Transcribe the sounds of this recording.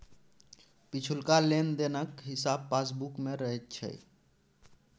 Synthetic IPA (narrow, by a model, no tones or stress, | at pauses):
pit͡ʃʰulkalend̪enəkɦisab̚pas̬bukmeɾəɦɛt̪̚t͡ʃʰə̰